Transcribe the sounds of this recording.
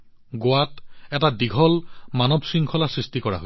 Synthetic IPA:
ɡoatɛtadiɡʱɔlmanɔbsiŋkʰɔlasɹistikɔɹa̰ɦo

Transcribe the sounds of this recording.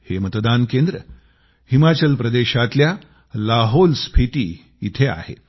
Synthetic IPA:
hemət̪d̪ankend̪ɾə | himat͡ɕəlpɾəd̪eɕat̪lja | laɦolspʰiʈ̪iː | it̪ʰea̰hḛ

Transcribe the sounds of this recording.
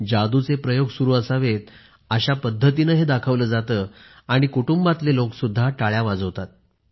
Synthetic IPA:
d͡ʑad̪ut͡sepɾəjoɡsuɾuːəsaʋet̪̚ | əɕapəd̪ʱːət̪inəɦed̪akʰəʋləːd͡zat̪əː | aɽ̃ikuʈumbat̪leloksud̪ʱːaʈaɭjaʋad͡zəʋt̪at̪̚

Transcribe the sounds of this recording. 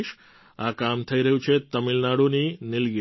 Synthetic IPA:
ʃ | akamt̪ʰəiɾəɦjũt͡ʃʰet̪əmilnaɽuninɪlɡ

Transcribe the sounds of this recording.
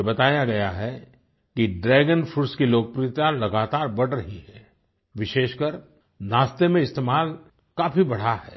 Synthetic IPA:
ebɐt̪aːjaɡɐjaɦɛ | kiɖɾɛːɡənfʰʊɾskiloːk̚pɾit̪jalɐɡaːt̪aːɾbɐɽɾɐɦiɦɛ̃ː | ʋɪʃeːʃkəɾ | naːst̪emẽɪst̪eːmaːl | kaːfʰibɐɽ̤aɦɛ̰ː

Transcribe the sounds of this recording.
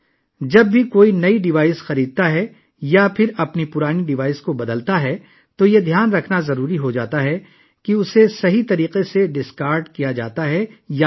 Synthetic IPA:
d͡ʒɐb̚ːʱikoːinɐiɖɪʋaːɪsxɐɾiːd̪̚t̪aɦɛ | japʰɪɾɐpnipʊɾaːniɖɪʋaːɪskobɐd̪əlt̪aɦɛ | t̪ojed̪ʱjaːnɾɐkʰnazɐɾuːɾiɦod͡ʒa̰ːt̪aɦɛ | kiʊsesɐɦit̪ɐɾiːqeseɖɪskaːɾɖkijad͡ʒa̰ːt̪aɦɛja

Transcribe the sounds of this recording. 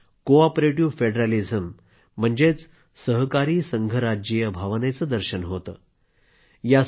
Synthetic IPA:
koapɾeʈiʋfeɖɾalid͡zəm̤ː | əɳd͡zet͡s | səɦkaɾiːsəŋɡʱəɾad͡ʑjəbʱaʋnet͡səd̪əɾɕənɦot̪ə̰ː | ja

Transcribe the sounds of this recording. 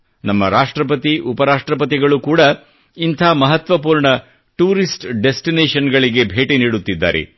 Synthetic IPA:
nɐmːɐɾaːʂʈɾɐpɐt̪iʔupɐɾaːʂʈɾɐpɐt̪iɡɐɭukuːɽɐ | int̪ʰaːmɐɦɐt̪ʋɐpuːɾɳɐ | ʈuːɾisʈɖesʈineːʂɐnɡɐɭiɡe̞bʱeːʈiniːɽut̪ːid̪ːa̰ːɾḛ

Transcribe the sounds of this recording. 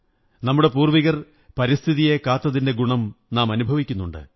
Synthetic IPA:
nɐmːuɽe̞puːrʋiɣɐr | pɐɾist̪ʰiðije̞kaːt̪ːɐðinde̞ɡuɳɐmnaːmɐnubʱɐʋikʲːunːuɳɖɨ̰

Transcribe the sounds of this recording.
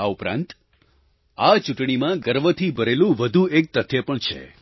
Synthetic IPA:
aupɾã̰nt̪ | at͡ʃuʈɳimãɡəɾʋət̪ʰibʱəɾelũʋəd̪ʱuek̚t̪ət̪ʰːjəpəɳt͡ʃʰḛ

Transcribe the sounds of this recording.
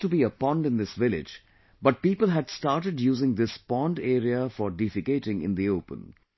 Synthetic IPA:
ʈubiːəpɔ̃nɖɪ̃nd̪ɪsʋɪlɪ̰d͡ʒ | bʌʈ̚piːpəlˠɦæɖsʈaːɾʈəɖjuːzɪ̃ŋd̪ɪspɔ̃nɖeːɾiəfɔɾɖifɪɡeɪʈɪ̃ŋɪ̰̃nd̪ioʊpə̰̃n

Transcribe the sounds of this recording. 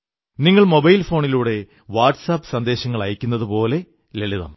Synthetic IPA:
niŋːɐɭmo̞bɐjlfo̞ːɳiluːɽe̞ | ʋaːrʈsaːpːɨ̥sɐnd̪e̞ːɕɐŋːɐɭɐjikʲːunːɐðɨpo̞ːle̞ | leɭiðɐ̰m

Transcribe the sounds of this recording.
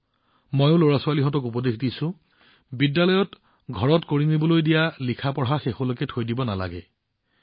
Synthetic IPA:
mɔjʊloɹasʊwaliɦɔtɔkupɔdexdisʊ̃ | bidːalɔjɔt | ɡʱɔɹɔtkoɹinibɔlojdijalikʰapɔɹɦaxexolokɛtʰojdibɔnala̰ɡɛ̰

